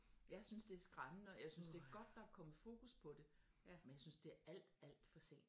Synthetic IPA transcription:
jɑ̈ɪsynsd̥e̝æɐsɡ̥ʁamn̩əɒjɑ̈ɪsynsd̥e̝æɐɡ̥ɒ̽d̥ːɑ̈ækʰɒ̽məð̩ˠfo̝ːkuspʰɒ̽d̥e̝ | menjasynsd̥e̝æɐɐʔæl̰d̥æl̰d̥fɒ̽se̝̰ːnd̥

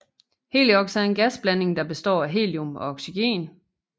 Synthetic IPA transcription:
he̝̰ːliɒ̽ɡ̥sæɐe̝nɡ̥æsb̥læne̝ŋd̥ɑ̈b̥e̝sd̥ɒ̰ːæɦe̝̰ːliomɒ̽ɒɡ̥siɡ̥e̝̰ːn

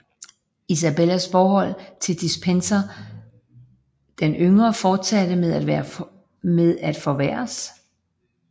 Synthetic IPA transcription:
is̬æbelæsfɒːɦɒ̽l̰t͡sʰe̝ld̥isb̥ʰensɐ | d̥enøŋɐfɒːd̥sæd̥əmeðˠæd̥ʋæːɐ | meðˠæd̥fɒʋæ̰ɐ̰s

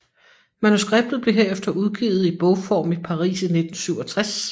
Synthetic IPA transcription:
mænusɡ̥ʁeb̥̚d̥ð̩ˠb̥le̝ɦeɐefd̥ɐʔuð̞ˠɡ̥ḭːʊð̩ˠib̥ɔ̽ʊfɒ̰ːmipʰɑ̈ʁḭːsine̝d̥n̩syʊ̰ɒ̽t͡sʰʁas

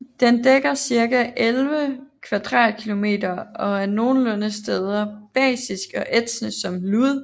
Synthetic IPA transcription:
d̥end̥eɡ̥ɐsiɐɡ̥æʔelʋəkʰʋæd̥ʁɑ̰̈ːd̥̚kʰilo̝me̝̰ːdɐɒ̽æɐno̝ːn̩lɔnəsd̥eð̞ˠɐb̥ɛ̰ːsisɡ̥ɒ̽ʔed̥snəsɒ̽mluðˠ

